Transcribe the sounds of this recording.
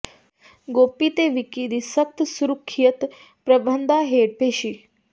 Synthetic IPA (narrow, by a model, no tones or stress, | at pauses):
ɡopit̪eʋikid̪isək̚t̪suɾukʰːijət̪ | pɾəbʱənd̪ʱaɦeɽ̚peɕiː